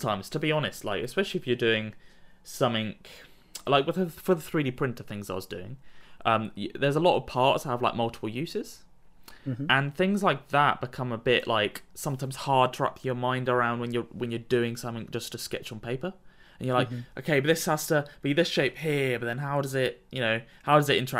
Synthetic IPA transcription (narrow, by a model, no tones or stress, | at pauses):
tʰãɪ̃mz̥tʰəbiɒnɪstˡla̰ɪkɨspɛʃl̩ˠiɨfjə˞dʉɪ̃ŋsʌ̃mɪ̃ŋ | laɪkwɪðəfə˞ðəθɹiɾipʰɹ̥ɪ̃ntəv̥θɪ̃ŋzðə̰twʌzdʉɪ̰̃ŋʔʌ̃mjðə˞zəlɔɾə̰v̥pʰɑɹtsəvlaɪk̚mʌlˠtə̥pl̩ˠjʉˑsɪz̥ | ʔə̃nθɪ̃ŋzlaɪk̚ðəʔ̚b̥ɪkʰʌ̃məbɪʔlʔaɪksʌ̃mtʰãɪ̃mz̥hɑɹd̚tʰəɹa̰pɪ̃ŋjə˞mãɪ̃ndə˞ãʊ̃nd̚wə̃njə˞wə̃njə˞dʉɪ̃ŋsʌ̃mθɪ̃ŋd͡ʒʌstʰəskɛ̰t͡ʃn̩pʰeɪpə˞ | ə̃njə˞laɪkʔoʊkʰeɪbʌt̪̚ðɪshəz̥tʰəb̥iðɪsʃeɪphiɹbʌt̪̚ðə̃nɦaʊɾʌzɪt̚jɨnoʊhaʊɾʌzɨɾɪ̰̃ntʰə˞